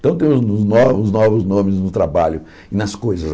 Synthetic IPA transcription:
t̪ɐ̃w̃t̪ẽj̃ʊʊznɔvʊznɔvʊznõmɪznʊt̪ɾabaʎʊ | ɪnɐskojzɐz

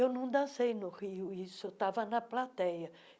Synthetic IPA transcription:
ewnɐ̃w̃d̪ɐ̃sejnʊhiʊisʊt̪avɐnɐplat̪ɛjɐ

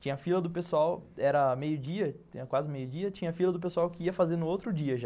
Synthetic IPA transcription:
t͡ʃĩɲɐfilɐd̪ʊpesuawɛɾɐmejʊd͡ʒiɐɐkwazɪmejʊd͡ʒiɐt͡ʃĩɲɐfilɐd̪ʊp̬esuawkɪiɐfazeɾnʊowt̪ɾʊd͡ʒiɐʒa

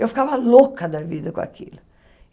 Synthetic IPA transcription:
ewfi̥kavɐlokɐd̪ɐvid̪ɐkõa̰kʰḭlʊ

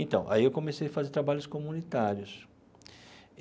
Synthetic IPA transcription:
ẽnt̪ɐ̰̃w̃ʔa̰iewkõmesejɐfazeɾt̪ɾabaʎʊskomunit̪aɾjʊs

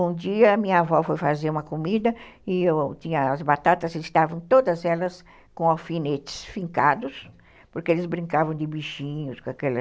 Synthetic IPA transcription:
ũd͡ʒiɐːmĩɲɐavɔfojfazeɾũmɐkomid̪ɐɪewt͡ʃ̪ĩɲɐazbat̪at̪ɐzɪst̪avɐ̃w̃t̪od̪ɐzɛlɐs | kõawfinet͡ʃɪ̥sfĩŋkad̪ʊs | poɾkeelɪzbɾĩŋkavɐ̃w̃d̪ɪbiʃĩɲʊskõakɛlɐ

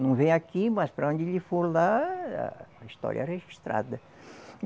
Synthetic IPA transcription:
nɐ̃w̃vẽj̃akimɐspɾɐõnd̪ɪʎɪfoɾlaɐ̰ist̪ɔ̰ɾjɐreʒiʃt̪ɾa̰d̪ɐ

